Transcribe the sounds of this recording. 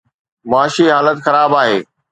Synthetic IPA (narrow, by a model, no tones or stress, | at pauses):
mʊaːʃiɦaːlət̪xɐɾaːbaːɦeː